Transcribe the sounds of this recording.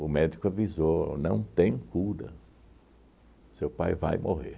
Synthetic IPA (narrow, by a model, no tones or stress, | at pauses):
ʊmɛd͡ʒikʊavizonɐ̃w̃t̪ẽj̃kuɾɐ̰ | sewpajva̰jmʔoɦḛɾ